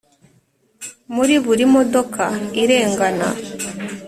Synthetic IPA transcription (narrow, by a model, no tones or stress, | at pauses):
muɾiβuɾimod̪okʰaiɾe̞ːŋɡana̰